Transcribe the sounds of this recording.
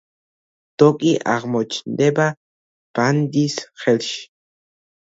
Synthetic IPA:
t̪okʼiʔa̰ʁmot͡ʃnd̪eba | pand̪isχelʃ

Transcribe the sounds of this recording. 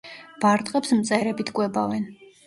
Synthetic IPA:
b̥aɾt̪ʼqʼɛpsmt̪sʼɛɾɛbit̪ʰkʼwɛbavɛn

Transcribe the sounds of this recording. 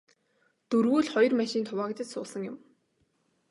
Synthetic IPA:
t̪ɵrɣuːɮχɔjɞ̆rmæʃiːnt̪ʰʊwaːɣet͡ɕ̪ɪ̆t̪sʊːsə̆ŋjʊ̆m

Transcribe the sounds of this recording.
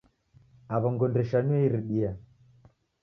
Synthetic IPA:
aβɔŋɡɔndɛʃaniɛiɾiɗia

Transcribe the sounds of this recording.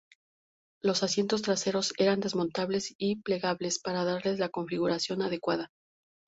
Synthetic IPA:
lo̞sasje̞nt̪o̞s̬t̪ɾase̞ɾo̞se̞ɾand̪e̞zmo̞nt̪aβle̞siple̞ɣaβle̞spaɾaðaɾle̞zlako̞ɱfiɣuɾasjo̞naðe̞kwaða

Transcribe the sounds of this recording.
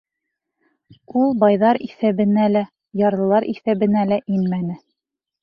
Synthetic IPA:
ulˠbɑjðɑɾiθæβɘ̆nælæ | jɑɾɤ̆lˠɑɾʔiθæβɘ̆nælæʔinmænɘ

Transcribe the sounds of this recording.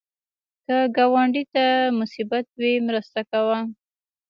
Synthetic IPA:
kəɡawɑɳɖit̪amʊsibat̪̚wemɾəst̪akawa

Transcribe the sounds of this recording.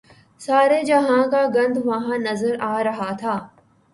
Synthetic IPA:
saːɾed͡ʒɐɦãkaɡɐ̃nd̪ʋɐɦãnɐzəɾaːɾɐɦat̪ʰaː

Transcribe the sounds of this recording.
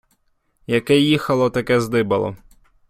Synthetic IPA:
jɐkɛjixɐlˠɔt̪ɐkɛzd̪ɪbɐlˠɔ̰

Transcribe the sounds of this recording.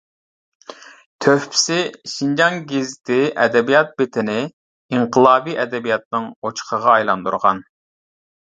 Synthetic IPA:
t̪ʰøhpʰɪ̥sɪʃind͡ʒɑŋɡʲezt̪ɪʔɛ̰d̪ɛbijɑt̪̚bet̪ʰɪnɪ | iɴqʰəlˠɑːbiʔɛd̪ɛbijɑt̪̚nɨŋot͡ʃʰqʰəʁɑːjlˠɑnd̪ṵɾʁɑ̰n

